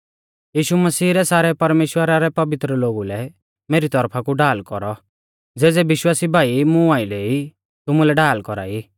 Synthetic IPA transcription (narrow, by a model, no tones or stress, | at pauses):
jiːʃumɐsiːɾɛsaːɾɛpɐɾmeːʃwəɾaɾɛpɐʋɪt̪ɾəloːɡulɛ | meːɾit̪ɔɾpʰakuɖaːlkɔɾɔ | d͡zeːd͡zɛbɪʃwaːsibʱaːimũaːileːi | t̪ʊmulɛɖaːlkɔɾa̰ːi